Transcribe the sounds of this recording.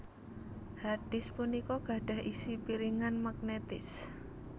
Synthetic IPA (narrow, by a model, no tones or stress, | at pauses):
hard̪̥ɪspunikɔɡ̥a̤ɖ̥a̤ɦʔisipiɾiŋanmaɡnet̪ɪs